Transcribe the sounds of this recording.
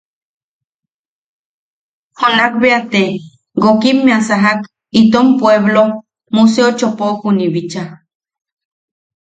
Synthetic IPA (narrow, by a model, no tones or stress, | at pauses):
honakbeat̪e | ɡokimːẽasaɦak | it̪ompweβlo | mus̬eot͡ʃopokuniβit͡ʃa